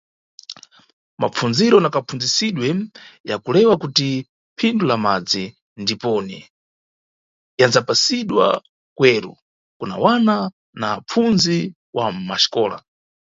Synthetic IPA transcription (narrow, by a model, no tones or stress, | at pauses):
map͡funziɾɔnakapfund͡zisiɗwɛjakulɛwakuti | pʰindulamad͡zi | ndipɔnɛ | janzapasiɗwa̰ | kwɛːɾṵ | kuna̰wana | nap͡funzi | wamaʃi̥kɔːla̰